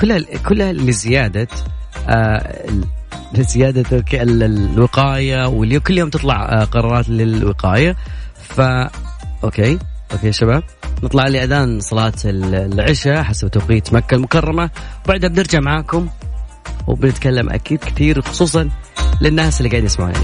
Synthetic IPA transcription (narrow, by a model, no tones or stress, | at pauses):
kʊlːhakʰʊlːhalɪzɪjaːd̪aʔa | zɪjaːd̪akeɪwɪqɑːjawɪljoːmkʊlːjoːmt̪ɨt̪ˤlɑʕqɑɾˤɑːɾˤɑːt̪lɪlwɪqɑːja | faʔokeːʔoːkeːʃabaːb̚nɨt̪ˤlɑʕliːʔad̪aːnsˤɑlɑːt̪ɪlʕɪʃaħasabt̪awqiːt̪makːalmʊkɑrˤːɑmawbaʕd̪habnɪɾd͡ʒaʕmaʕaːkʊm | w̰bnɪt̪kalːamʔa̰kiːd̪kɪ̥t̪iːɾxʊ̥sˤuːs̬ˤɑnlɪnːaːsɪlːiɡaʕd̪nɪsmaʕṵnʔa̰